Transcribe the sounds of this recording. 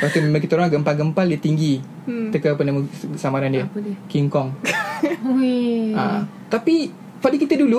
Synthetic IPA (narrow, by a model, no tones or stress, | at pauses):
pat̪umemakit̪əoɾaŋɡəmpalɡəmpaldət̪iŋɡi | t̪əkəapənaməsamaɾandiəkiŋkɔŋ | a̰ | t̪api | padəkit̪ədulu